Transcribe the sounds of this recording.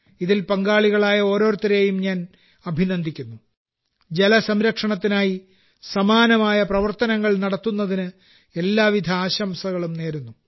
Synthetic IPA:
iðilpɐŋɡaːɭiɣɐɭaːjɐo̞ːɾo̞ːɾt̪ːɐɾe̞jumɲaːn | ɐbʱinɐnd̪ʱikʲːunːu | d͡ʑe̞lɐsɐmɾɐkʂɐɳɐt̪ːinaːji | sɐmaːnɐmaːjɐprɐʋɐrt̪ɐnɐŋːɐɭnɐɽɐt̪ːunːɐðinɨ | e̞lːaːʋid̪ʱɐaːɕɐmsɐɣɐɭumne̞ːɾunːu

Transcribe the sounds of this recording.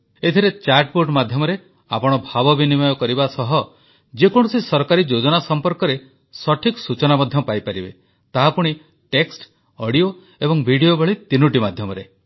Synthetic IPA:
et̪ʰiɾet͡ʃaɾʈboʈmad̪ʱjɔmɔɾe | apɔɽ̃ɔbʱabɔbinimɔjɔkɔɾibasɔɦɔ | d͡ʒekɔɽ̃ɔsisɔɾkaɾid͡ʒod͡ʒɔnasɔmpɔɾkɔɾe | sɔʈʰikɔsut͡ʃɔnamɔd̪ʱjɔpajpaɾibe | t̪aɦapuɽ̃i | ʈeksʈ | ɔɽio | ebɔŋbʱiɽijobɔɭit̪inuʈimad̪ʱjɔmɔɾe

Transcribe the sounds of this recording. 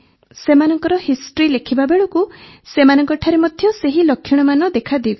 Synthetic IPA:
semanɔŋkɔɾɔhisʈɔɾilekʰibabeɭɔku | semanɔŋkɔʈʰaɾemɔd̪ʱjɔseɦilɔkʰjɔɽ̃ɔmanɔd̪ekʰad̪iɡ

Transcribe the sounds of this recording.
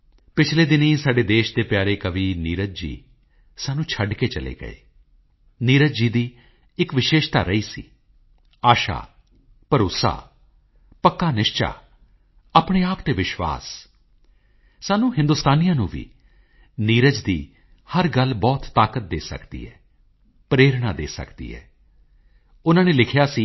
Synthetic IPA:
pɪt͡ʃʰleːd̪ɪnĩːsaːɖeːd̪eːʃd̪eːpjaːɾeːkəʋiːniːɾət̪d͡ʒḭː | saːnũːt͡ʃʰəɖkeːt͡ʃəlḛːɡə̰ḛː | niːɾət̪d͡ʒiːd̪iː | ɪkʋɪʃeːʃt̪a̰ːɾəiːsḭː | aːʃa̰ː | pəɾʊsa̰ː | pəkːaːnɪʃt͡ʃa̰ː | apɽ̃eːaːpt̪eːʋɪʃʋa̰ːs | saːnũːɦɪ̃nd̪ʊst̪aːnijãːnũːʋḭː | niːɾəd͡ʒd̪iː | həɾɡəlbɔːt̪ːaːkət̪̚d̪eːsə̰kd̪ḭːɦɛː | pɾeːɾɽaːd̪ḛːsə̰kd̪ḭːɦɛ̰ː | ʊnãːneːlɪkʰjaːsiː

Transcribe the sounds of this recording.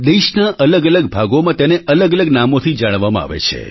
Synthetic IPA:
d̪eʃnaʔələɡələɡbʱaɡomãt̪eneʔələɡələɡnamot̪ʰid͡ʒaɽ̃ʋamãa̰ʋḛt͡ʃʰḛ

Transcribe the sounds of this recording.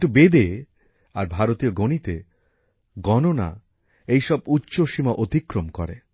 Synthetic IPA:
ʈubed̪e | aɾbʱaɾot̪ioɡonit̪e | ɡɔnona̰ | ejʃɔb̚utːɕoʃimaʔot̪ikɾomkɔ̰ɾe

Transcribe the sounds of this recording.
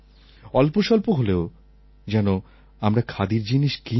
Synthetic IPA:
ɔlpoʃɔlpoɦoleo | d͡ʑɛno | amɾakʰad̪iɾd͡ʑiniʃki

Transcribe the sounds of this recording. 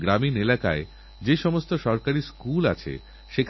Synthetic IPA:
ɡɾaminelaka̰e | d͡ʑeʃɔmost̪oʃɔɾkaɾiskula̰t͡ɕʰḛ | ʃekʰ

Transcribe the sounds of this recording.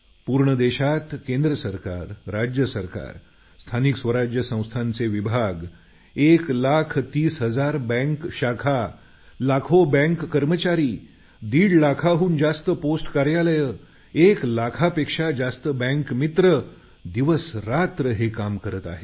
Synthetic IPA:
puɾɳəd̪eɕat̪kẽnd̪ɾəsəɾka̰ɾːad͡ʑjəsəɾka̰ɾ | st̪ʰaniksʋəɾad͡ʑjəsə̃w̃st̪ʰãnt͡seʋibʱaɡ | eklakʰt̪iːsɦəd͡zaɾbɛ̃ŋkɕakʰa | lakʰobɛ̃ŋkːəɾmət͡ɕaɾiː | d̪iːɽlakʰaɦuːnd͡zast̪əposʈkaɾjaləjə | eklakʰapekʂad͡zast̪əbɛ̃ŋkmit̪ɾə | d̪iʋəsɾat̪ɾəɦekamkəɾət̪a̰ɦe

